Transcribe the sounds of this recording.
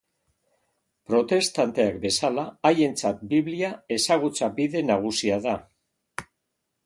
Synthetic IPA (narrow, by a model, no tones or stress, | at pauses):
pɾo̞t̪e̞st̪ant̪e̞akbe̞salaːje̞nt͡sat̪̚biβliae̞saɣ̞ut͡sabiðe̞naɣ̞usiaða